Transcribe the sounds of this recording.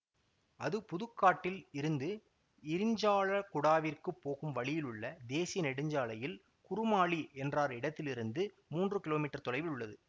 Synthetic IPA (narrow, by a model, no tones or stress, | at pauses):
ɐðɯpʊðɯkːaːʈːɪlɪɾɯnd̪ɯ | ɪɾɪɲd͡ʒaːɭɐkʊɽaːʋirkɯpːoːɣɯmʋɐɭɪjɪlɯɭːɐd̪eːsɪjɐnɪɽɯɲd͡ʒaːɭɐjɪl | kʊrʊmaːɭiʔɛndraːɾɪɽɐt̪ːɪlɪɾɯnd̪ɯ | muːndrɯkɪloːmiːʈːɐɾt̪ɔlɐɪʋɪlʊɭːɐðɯ